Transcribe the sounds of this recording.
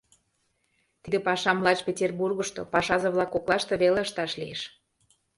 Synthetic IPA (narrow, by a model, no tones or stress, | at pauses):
t̪id̪epɑʃɑmlˠɑt͡ɕpʲetʲerburɣə̆ʃt̪o̰pɑʃɑzɤ̆βlɑkoklˠɑʃt̪ɤ̆βeleəʃt̪ɑʃlḭeʃ